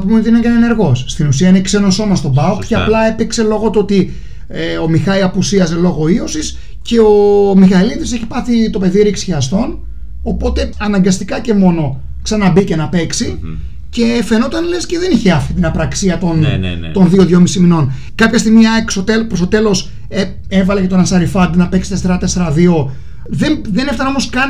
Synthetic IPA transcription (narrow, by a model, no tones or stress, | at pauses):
ɐpomenot̪inɐkɐnene̞ɾɣo̞sst̪inusiɐinekse̞no̞so̞mɐst̪o̞bɐokceɐplɐe̞pikse̞lo̞ɣo̞t̪ot̪i | eo̞mixɐiɐpusiɐze̞lo̞ɣo̞iosis | ce̞omixɐlit̪ise̞çi̥pɐθit̪o̞pe̞ðieɾiksi̥çiɐst̪o̞n | o̞po̞t̪e̞ɐnɐŋɡɐst̪ikɐce̞mo̞no̞ | ksɐnɐbice̞nɐpe̞ksi | ce̞fe̞no̞t̪ɐnlesceðe̞niçe̞ɐft̪it̪inɐpɾɐksiɐt̪o̞n | t̪onðio̞ðʝomisimino̞n | kɐpçɐst̪iɣmiɐeksot̪elpɾost̪ot̪e̞lo̞s | e | e̞vɐle̞cet̪onɐnsɐɾifɐd̪nɐpe̞ksi̥t̪eseɾɐt̪e̞seɾɐðio̞ | ðenðe̞neft̪ɐno̞mo̞skɐn